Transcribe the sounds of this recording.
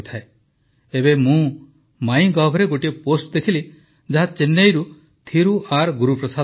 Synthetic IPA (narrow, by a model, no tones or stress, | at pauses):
t̪ʰae | ebemũ | maĩɡɔbʱɔɾeɡoʈieposʈd̪ekʰili | d͡ʒaɦat͡ʃenːejɾu | t̪ʰiɾuʔaɾɡuɾupɾɔsa